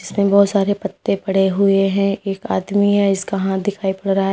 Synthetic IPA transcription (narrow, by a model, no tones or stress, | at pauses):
ɪsmẽbɔːt̪saːɾepɐt̪ːẽpɐɽ̤eɦʊeɦɛ̃eːkaːd̪miɦɛɪskaɦãd̪ɪkʰaːipɐɽɾɐɦaɦɛ